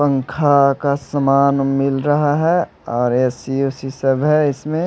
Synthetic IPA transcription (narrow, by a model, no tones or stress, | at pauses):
pə̃ŋkʰakasəmaːnmɪlɾɐɦaɦɛ | ɔːɾesiuːsisɐbɦɛɪsmẽ